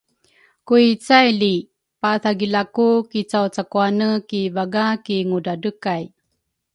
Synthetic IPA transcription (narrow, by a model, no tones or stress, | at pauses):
kuit͡sajli | paθaɡilakukit͡sawt͡sakuanəkivaɡakiŋudadəkaj